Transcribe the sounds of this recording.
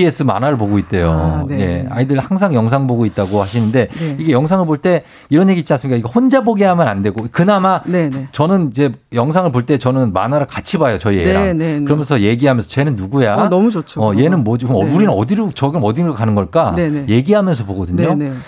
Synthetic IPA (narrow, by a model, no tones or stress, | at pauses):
es͈ɯma̰naɾɯɭpoɡoit̚t͈e̞jo̰je̞̰a̰idɯɾɭhaŋs̬ʰaŋjʌŋsʰaŋɯɭboɡoit̚t͈aɡohaɕʰinɯnde̞iɡe̞jʌŋsʰaŋɯɭpoɭt͈e̞ | iɾʌnje̞ɡiːtt͡ɕ͈iansɯmik͈aiɡehond͡ʑaboɡiɦamjʌnande̞ɡokɯnamaet͡ɕʌnɯnid͡ʑe̞jʌŋs̬ʰaŋɯɭpoɭt͈e̞t͡ɕʌnɯnma̰naɾɯɭkat͡ɕʰibajot͡ɕʌieɡekɯɾʌmjʌnsʰʌje̞ɡiɦamjʌnsʰʌt͡ɕe̞nɯnːuɡujanʌmud͡ʑot͡ɕʰoʌje̞nɯnmʌd͡ʑiuɾinɯnʌdiɾot͡ɕʌɡinɯnʌdinɯkanɯnɡʌɭk͈aeje̞ɡiɦamjʌns̬ʰʌpoɡʌdɯɲo